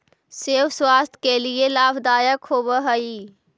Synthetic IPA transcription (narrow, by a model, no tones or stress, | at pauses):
seːʋswaːst̪ʰkelielaːbd̪aːjəkhobəɦəiː